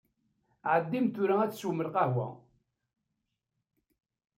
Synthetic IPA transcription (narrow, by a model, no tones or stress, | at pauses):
ʕəd̪ːimt̪ʊɾææt͡sːsuməlqɑɦwæ̰